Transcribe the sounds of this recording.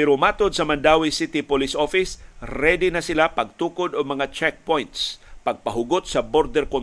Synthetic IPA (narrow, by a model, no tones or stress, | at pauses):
pɛɾʊmaːt̪od̪̚sɐmɐnd̪aːwisit̪ɪpʊlisʔofɪsɾɛd̪ɪnɐsɪlapɐɡ̚t̪uːkod̪oɡ̚mɐŋat͡ʃɛk̚pojnt̪spɐɡ̚pɐɦʊɡot̪̚sɐboɾd̪ɛɾkon